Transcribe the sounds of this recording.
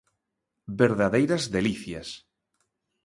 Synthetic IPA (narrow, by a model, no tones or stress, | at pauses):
beɾðaðejɾazðeliθjas